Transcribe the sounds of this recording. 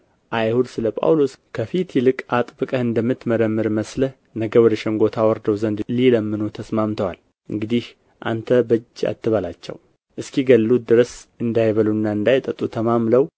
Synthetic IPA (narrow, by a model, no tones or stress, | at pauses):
ʔajhud̪sɨləpʼa̰wlo̞skʰəfit̪ʰjɛlɨkʼat̪ʼbɨkʼəhɨnd̪əmːɨt̪məɾəmːɨɾməsləh | nəɡəwɔd̪əʃɛŋɡo̞t̪ʰawɔɾd̪əwzənd̪liləmːɨnut̪ʰəsmamt̪ʰəwal | ʔɨ̰ŋɡɨd̪ih | ʔa̰nt̪ʰəbəd͡ʒːa̰t̪ʰːɨβalat͡ʃːɛ̰w | ʔɨskiɡəlːud̪ɨɾəsɨnd̪ajβəlunːaɨnd̪ajt̪ʼət̪ʼːut̪ʰəmamləw